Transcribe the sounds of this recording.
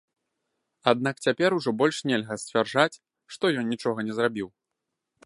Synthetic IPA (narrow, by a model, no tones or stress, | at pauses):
ad̪̚nakt͡sʲapʲɛɾuʐɔbɔlʲʂnʲɛlʲɣɐsʲt͡sʲvʲarʐat͡sʲ | ʂt̪ɔjɔnnʲit͡ʂɔɣɐnʲɛzrabʲiw